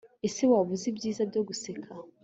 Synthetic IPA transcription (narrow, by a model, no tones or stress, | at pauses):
esewaβuzibjiːzabɟoɡusekʰa